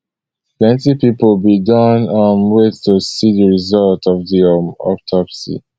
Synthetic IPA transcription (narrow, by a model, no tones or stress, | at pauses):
plɛ̃ntipiplbidʌ̃nə̃nwetusiðəɹizʌltɔvðiɔ̰p̚tʰɔpsḭ